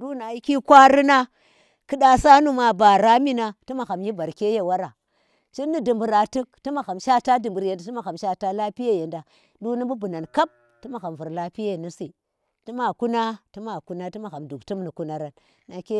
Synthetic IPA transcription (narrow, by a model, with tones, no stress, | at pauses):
du˦na˨ji˦ki˦kʷa˦ɾi˦na˦ | kɨ˦da˦sa˦nu˦ma˨ba˨ɾa˦mi˦na˨ti˦ma˨xa˨mji˦ba˨ɾke˦je˦wa˦ɾa˨ | t͡ʃi˦nːi˦du˨mbu˨ɾa˨tɨ˦k̚ti˦ma˨xa˨mʃa˦ta˦du˨mbu˨ɾje˨nda˨ti˦ma˨xa˨mʃa˦ta˦la˦pi˦je˦je˨nda˨ | du˦ni˦bu˦bu˨na˨nka˦b̚ | ti˦ma˨xa˨m˨vu˨ɾla˦pi˦je˦˨ni˦si˨ | ti˦ma˨ku˦na˦ti˦ma˨ku˦na˦ti˦ma˨xa˨mdu˨ktu˦mni˨ku˦na˨ɾa˨nː | a˨ke˦